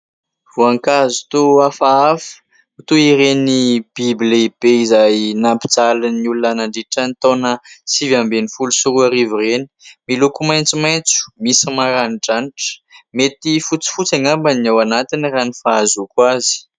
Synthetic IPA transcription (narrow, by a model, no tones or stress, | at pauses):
v̥uaŋkazu̥t̪uafaafə̥ | t̪uiɾenib̥ibleb̥eizajnampi̥d͡zalaniulunanaɳɖ͡ʐiʈ͡ʂanit̪onəsivambenifulusuɾuaɾivireni̥milukumajnt͡simajnt͡su̥misimaɾaniɖ͡ʐaniʈ͡ʂə̥met̪ifut͡si̥fut͡saŋambanawanat̪iniranifaazukwazi̥